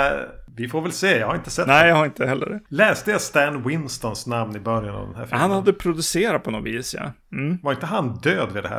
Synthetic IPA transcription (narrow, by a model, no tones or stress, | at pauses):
vɪfoːɾvɛlseːjɑhaɾɪnt̪ə̥sɛt̪nɛɪjahaɾɪnt̪əhɦɛlːə̰ɖɛlɛːst̪əjast̪ænwɪnst̪ɔnsnamnɪbœɾjana̰vd̪ɛnhæ̰ːfhanhad̪ːəpʰɾʊd̪ɵseːɾat̪̚pʰɔnɔviːsjɑ̰ | m̩vaɾɪnt̪əɦand̪øːd̪vɪd̪ɛhæ̰ː